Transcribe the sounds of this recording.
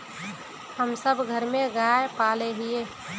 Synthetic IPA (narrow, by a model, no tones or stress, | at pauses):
həmsəbʱɡʱəɾmẽɡaepaleɦieː